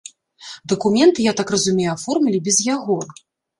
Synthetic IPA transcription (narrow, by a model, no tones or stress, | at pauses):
d̪ɐkumʲɛnt̪ɨjat̪akrɐzumʲejuafɔrmʲilʲibʲɛzjaɣɔ